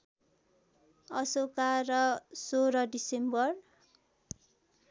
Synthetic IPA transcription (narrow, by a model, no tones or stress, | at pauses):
ʌsokaɾʌsoɾʌɖisembʌr